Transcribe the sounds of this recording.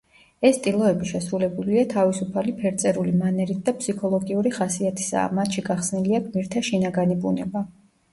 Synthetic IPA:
ɛst̪ʼilˠɔɛbiʃɛsɾulɛbuliat̪ʰavisupʰalipʰɛɾt̪sʼɛɾulimanɛɾit̪̚ʰd̪apʰsikʰɔlˠɔɡiuɾiχasiat̪ʰi̥sa̰mat̪ʃiɡaχsniliaɡmiɾt̪ʰaʃinaɡanibunɛba

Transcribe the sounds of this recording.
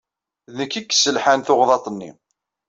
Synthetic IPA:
ðnəkːikːsːəlħanθoʁðˤɑt̪ˤənːḭ

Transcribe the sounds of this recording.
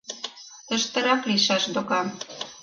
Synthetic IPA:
t̪ə̆ʃt̪ə̆ɾɑkliʃɑʃd̪okɑm

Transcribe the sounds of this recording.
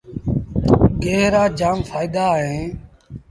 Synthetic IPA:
ɡeːɦɾaːd͡ʒaːmfaːid̪aːɦẽː

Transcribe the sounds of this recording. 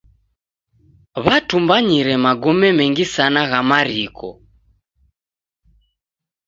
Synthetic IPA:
βatumbaɲiɾɛmaɡɔmɛmɛŋɡisanaɣamaɾikʰɔ̰

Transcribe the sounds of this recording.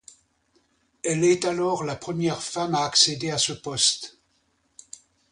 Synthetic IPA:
ɛlɛt̪alɔʁlapχəmjɛʁfamaːksed̪easəpɔst̪

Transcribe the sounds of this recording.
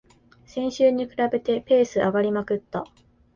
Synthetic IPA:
sẽ̞ɰ̃ɕɨːɲ̟ikɯ̟ɾabe̞t̪e̞pe̞ːsɨʔaɡaɾʲimakɯ̟t̪ːa

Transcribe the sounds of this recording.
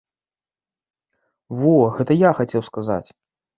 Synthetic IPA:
vɔɣɛt̪ɐjaxat͡sʲɛwskaza̰t͡sʲ

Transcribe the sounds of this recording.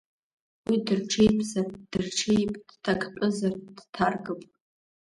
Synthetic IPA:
widɨrʈ͡ʂʰejpʰzard̥ɨrʈ͡ʂʰejpʼd̥tʰakʰʼpʼʊzard̥tʰarɡɨpʼ

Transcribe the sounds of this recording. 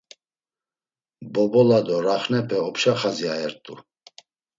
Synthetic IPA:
bɔbɔlad̪ɔɾaχnɛpʰɛɔpʰʃaχaziaɛɾt̪ʼu

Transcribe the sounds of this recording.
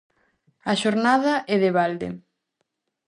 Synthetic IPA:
ɐʃoɾnaðɐʔɛðɪβald̪ḛ

